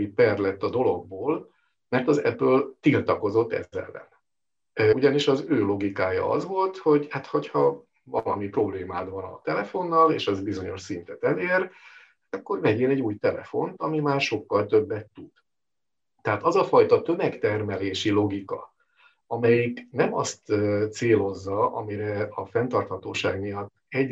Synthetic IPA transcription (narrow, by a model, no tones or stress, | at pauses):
ipɛrlɛt̪ːɒd̪o̞lo̞ɡ̚boːl | mɛrt̪ɒzɛ̰bːøːlt̪ilt̪ɒko̞zo̞t̪ːɛ̰ɛ̰lːɛ̰n | uɟɒniʃɒzøːlo̞ɡikaːjɒ̰ɒ̰zʋo̞lt̪ho̞ɟhat̪ho̞chɒ | vɒlɒmipro̞bleːmaːd̪vɒnɒ̰t̪ɛlɛfo̞nːɒleːʃɛzbizo̞ɲo̞ʃsint̪ɛt̪ɛleːr | hat̪ɒkːo̞rvɛɟeːnɛɟːuːjt̪ɛlɛ̰fo̞nt̪ɒmimaːrʃo̞kːɒlt̪ø̞bːɛt̪ːud̪̥ | t̪ɛɦaːt̪ɒzɒfɒjt̪ɒt̪ø̞mɛkt̪ɛrmɛleːʃilo̞ɡikɒ̰ | ɒmɛjiknɛmɒst̪ːt̪seːlo̞zːɒʔɒ̰miɾɛɒfɛnt̪ɒrt̪hɒt̪oːʃaːɡmijɒt̪ːɛɟ